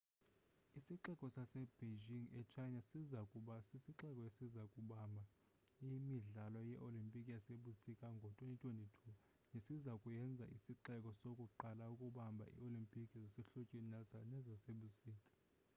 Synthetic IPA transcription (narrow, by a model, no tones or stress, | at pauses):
isiǃɛkʼɔsasɛb̥ed͡ʒiŋɛt͡ʃʰajnasizakʼuɓasisiǃɛkʼɔesizakʼuɓambʱa | imiɮalɔjɛʔolimpʼikʼijaseɓusikʼaŋɡʱɔtʼwenitʼwenitʰu | nesizakʼujɛnd͡zʱaʔisiǃɛkʼɔsokʼuǃalaukʼuɓambʱa̰ʔḭolimpʼikʼizesiɬut͡ʃʼininasanɛzaseɓusiːkʼḁ